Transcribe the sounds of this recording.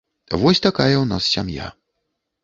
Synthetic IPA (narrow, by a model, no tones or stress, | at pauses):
vɔsʲt̪akajɐwna̰ssʲamja̰